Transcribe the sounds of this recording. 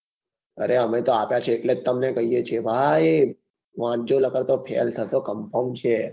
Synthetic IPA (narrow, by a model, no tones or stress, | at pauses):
ə̰ɾeɦəmet̪oapjat͡ʃʰeːʈled͡ʒt̪əmnekəɦijet͡ʃʰebʱa | ʋãd͡ʒoləkəɾt̪opʰḛlt̪ʰəsokəmpəmt͡ʃʰe